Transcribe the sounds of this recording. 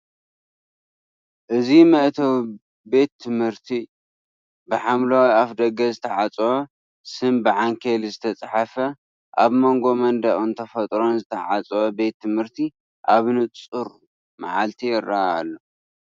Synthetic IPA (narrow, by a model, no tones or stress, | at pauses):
ʔɨzimɐʔt̪ʰɐw | be̞t̪ʰːɨmhɨɾt̪ʰi | bɨħamlawiafd̪ɐɡɐzɨt̪ʰɐʕat͡sʼwo | sɨmbɨʕaŋkʰelzɨt̪ʰɐt͡sʼħafɐ | ʔaβmo̞ŋɡo̞mɐnd̪ɐʔʼunt̪ʰɐfɐt̪ʼɾo̞nzɨt̪ʰɐʕat͡sʼɐwobe̞t̪ʰːɨmhɨɾt̪ʰi | ʔaβnɨt͡sʼɨɾ | ma̰ʕalt̪ʰiɪraa̰lːo